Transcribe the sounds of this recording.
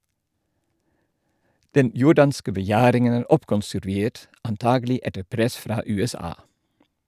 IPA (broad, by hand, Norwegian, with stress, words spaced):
ˈdɛn ˈjʊɖɑnskə bəˈjæːɾɪŋən ˈæːɾ ˈɔpkɔnsʉɾˌʋeːt ɑnˈtɑːɡl̩ˌɪ ˈɛtə ˈpɾɛs ˈfɾɑː ˌʉːɛˈsɑː